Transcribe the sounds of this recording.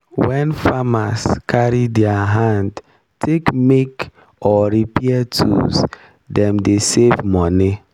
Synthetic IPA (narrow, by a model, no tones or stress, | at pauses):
wɛnfamaskʰaɾidjaɦand | tʰekmek | ɔɾipiɛtʰṵz | dɛmdesevmɔni